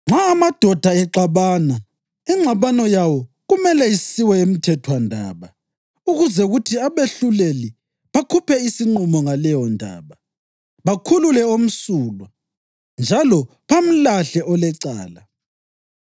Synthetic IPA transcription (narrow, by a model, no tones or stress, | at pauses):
ŋ͡ǁʱaːmad̥ʱɔd̥ʱaɛǁaβana | iŋ͡ǁʱaβanɔjawɔ | ɣumɛlɛisiwɛem̩tʰɛtʰwandʱaːβa | uɣuzɛuɣutʰiaβeɬuleli | βakʰupʰɛisiŋ͡ǃumɔŋalɛjɔndʱa̰ːβa | βakʰululɛom̩suːlwa | nd͡ʒʱalɔ | pʰam̩laɬɛʔɔlɛǀa̰ːla